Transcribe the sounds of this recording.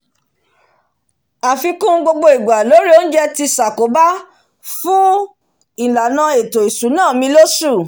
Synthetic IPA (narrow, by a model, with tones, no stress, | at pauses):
a˨fi˧kũ˦ɡ͡bo˧ɡ͡bo˧i˨ɡ͡ba˨lo˨˦ɾi˦o˦n̩˦d͡ʒɛ˦ti˧sa˨ko˨˦ba˦ | fũ˦ | i˨la˨nã˧˦e˨to˨i˨su˨˦nãː˦˨mĩ˧˦lo˦su˦˨